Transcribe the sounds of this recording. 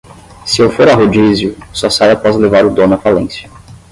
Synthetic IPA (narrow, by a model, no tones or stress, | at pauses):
sɪewfoɾaɦod͡ʒizjʊsɔsajapɔzlevaɾʊd̪õnɐfalẽsjɐ